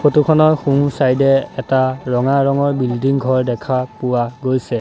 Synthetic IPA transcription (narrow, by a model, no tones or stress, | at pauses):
xotukʰɔnɔɹxũsajdɛɛtaɹɔŋaɹɔŋɔɹbildiŋɡʱɔɹdɛkʰapʊwaɡojsɛ